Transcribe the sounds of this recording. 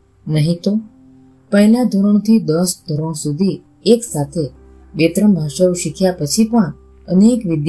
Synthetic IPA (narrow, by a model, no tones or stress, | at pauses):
nəɦĩt̪o | pəɦilad̪ʱoɾoɳ̃t̪ʰid̪əsd̪ʱoɾoɳ̃sud̪ʱi | eksat̪ʰe | bet̪ɾəmbʱaʃaɾuʃikʰjapət͡ʃʰipəɽ̃ | ənekʋɪd̪j